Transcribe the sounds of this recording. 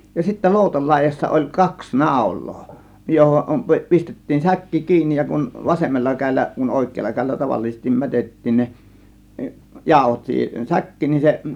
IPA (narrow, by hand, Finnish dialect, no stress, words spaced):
jɑ sitːæ loˑutɑl lɑˑe̝jɑsːɑ olʲ kɑks nɑˑo̝lˑoː johom pi pistetːiːn sækːi kiːnːij jɑ kun ʋɑsemːɑlːɑ kæe̝lːæ kun oˑe̝kˑeːlːɑ kæˑe̝lːæ tɑʋɑlːisestim mætetːiːn ne jɑˑo̝hot siːhen sækːiːn nin se